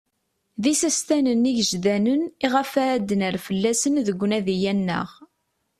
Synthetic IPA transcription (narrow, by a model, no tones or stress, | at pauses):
ðisæst̪ænəniʝəʒðænəniʁəfæːd̪ːənəɾfəlːæsənðəɡʷːnæðijænːə̰ʁ